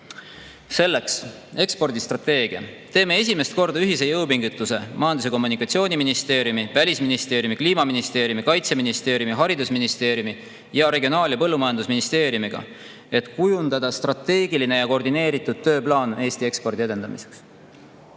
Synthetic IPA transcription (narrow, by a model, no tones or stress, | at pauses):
se̞lːe̞ks | e̞kspo̞rd̪ist̪rɑt̪e̞ːɡ̥iɑ̰ | t̪e̞ːmee̞s̬ʲime̞st̪̚ko̞rd̪̥ɑyɦise̞jɤwpiŋɡut̪ːˑuse̞mɑjɑnd̪use̞ko̞mːunikːˑɑt̪sio̞ːnʲiminist̪e̞ːɾjumivælʲisminist̪e̞ːɾjumikliːmɑminist̪eːɾjumikɑjt̪seminist̪e̞ːɾjumiɦɑɾid̪usminist̪e̞ːɾjumi | jɑɾe̞ɡʲio̞nɑːlʲjɑpɤ̞lːumɑjɑnd̪usminist̪e̞ːɾjumiɡ̥ɑ̰ | e̞t̪kujund̪̥ɑd̪̥ɑst̪rɑt̪e̞ːɡ̥iline̞jɑko̞rd̪ine̞ːɾit̪ːˑud̪̥̚t̪ːø̞ːplɑːne̞ːst̪ie̞kspo̞rd̪ie̞d̪e̞nd̪̥ɑmise̞̥ks